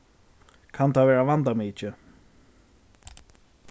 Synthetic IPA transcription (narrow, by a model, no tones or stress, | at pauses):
kʰant̪ʰaʋɛːɹaʋand̪amiːt͡ʃɪ